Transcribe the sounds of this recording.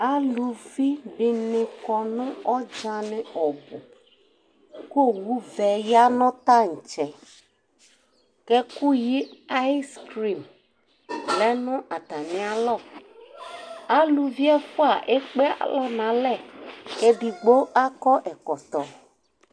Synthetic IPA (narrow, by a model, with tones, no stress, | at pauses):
a˦lu˨vi˦bɪ˦nɪ̃˨kɔ˨nʊ̃˦ɔ˦d͡ʒa˨nɪ˨ɔ˨bʊ˨ | ko˦˨wu˦vɛ˨ja˦nʊ̃˦t̪a˦ŋ̩˨t͡ʃɛ˨ | kɛ˦ku˦ji˦a˦ɪ˦skɾi˨m | lɛ˦nʊ̃˦ʔa˨t̪a˨nɪ̃˨˦a˦lɔ˦˨ | a˦lu˨vi˦ɛ˦fʊ˦a˨ʔe˦k͡pe˦a̰˨˦lɔ˦nã˨˦lɛ˦˨kɛ˦bi˨ɡ͡bo˦a˦kɔ˦ʔɛ˨kɔ˨t̪ɔ˨